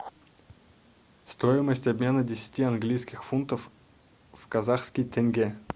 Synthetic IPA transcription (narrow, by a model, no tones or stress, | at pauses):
st̪ojɪməsʲtʲɐbʲmʲenədʲɪsʲɪ̥tʲiɐnɡlʲijskʲɪxfunt̪əf | fkɐzaxskʲɪjt̪ʲɛnɡʲe